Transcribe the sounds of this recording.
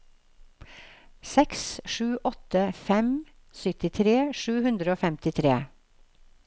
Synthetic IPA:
sɛksʃʉːʔɔt̪əfɛm | sʏt̪ɪt̪ʰɾeːʃʉːhʉnd̪ɾəoːfɛmt̪ɪt̪ʰɾeː

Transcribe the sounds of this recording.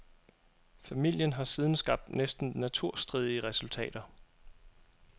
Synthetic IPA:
fæmil̰jənɦɑ̈siːð̞ˠn̩sɡ̥ɑ̈b̥̚d̥nesd̥n̩næt͡sʰuɐ̰sd̥ʁið̞ˠiəʁɛsult͡sʰɛ̰ːd̥ɐ

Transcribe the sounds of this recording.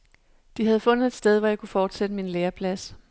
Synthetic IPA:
d̥iɦæð̞̩ˠfɔ̽n̰ð̩ˠe̝d̥sd̥eð̞ˠʋɒjɑ̈ɪkʰufɒːd̥sed̥əminleːɐpʰlæs

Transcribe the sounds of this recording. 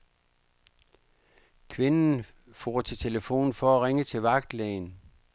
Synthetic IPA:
kʰʋe̝nn̩ | fo̰ːt͡sʰe̝t͡sʰe̝ləfo̝̰ːn̩fɒ̽æʁeŋət͡sʰe̝ʋɑ̈ɡ̥d̥lɛ̰ːn

